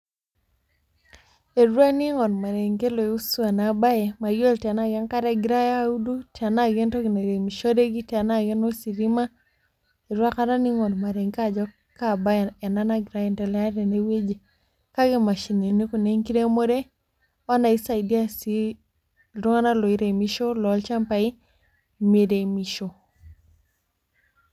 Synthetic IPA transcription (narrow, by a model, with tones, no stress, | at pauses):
e˨ɾwa˦ni˦ŋɔ˨nma˨ɾe˨ŋke˦lɔ˨e˨u˦su˦a˨na˨ba˦jɛ˨ma˨jɔ˦lti˨a˨na˦˨ɡa˦nka˦ɾa˦ɡi˨ɾa˦ja˦u˦du˦ti˨a˨na˦˨ɡɛ˦ntɔ˦ɡi˨na˨ɾe˨mi˨ʃɔ˦de˦ɡi˦ta˨na˦ɡɛ˦nɔ˦si˨ɾi˦ma˦ | e˨ɾwa˦ka˦ɾa˦ni˦ŋɔ˨nma˨ɾe˨ŋka˦˨d͡ʒɔ˦ | ka˦ba˦ɛ˨na˦na˦ɡi˨ɾa˦jɛ˨ntɔ˨lɛ˦a˦ɾe˨ne˦we˦d͡ʒe˨ | ka˦ɡe˦˨ma˨ʃi˨ne˨ni˦ku˨ne˦ŋki˦ɾe˦mo˦ɾe˦ | a˦na˨i˦sa˨idi˦a˦si˦ | ɾu˦ŋa˦na˦lɔ˨i˦ɾe˨mi˦ʃo˦lɔ˨˦lt͡ʃa˦mpa˨i˦ | me˨de˨mi˨ʃo˨